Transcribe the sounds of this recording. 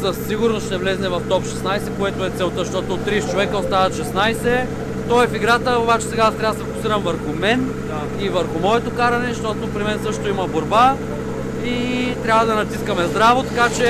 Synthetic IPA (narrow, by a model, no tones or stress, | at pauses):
sɐsːiɡʊɾnosʃt̪ɛvlɛznɛvɐft̪ɔpʃɛsnajsɛkoɛt̪oɛt̪sɛlˠt̪əʃt̪ɔt̪oːt̪ːɾist͡ʃovɛkəost̪avət̪ʃɛsnajsɛ | t̪ɔɛfiɡɾat̪əobat͡ʃɛ̥sɛɡad̪t̪ɾaɐd̪sɛfokʊ̥siɾɐmvəɾxʊmɛn | ivəɾxʊmɔɛt̪okaɾɐnɛʃt̪ɔt̪opɾimɛnsɤʃt̪oimɐboɾba | it̪ɾʲjabvəd̪ɐnɐt̪iskɐmɛzd̪ɾavot̪ɐkat͡ʃɛ